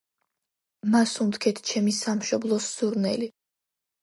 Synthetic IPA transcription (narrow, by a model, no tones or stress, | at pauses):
masunt̪kʰɛt̪ʰt͡ʃʰɛmisamʃɔblˠɔssuɾnɛli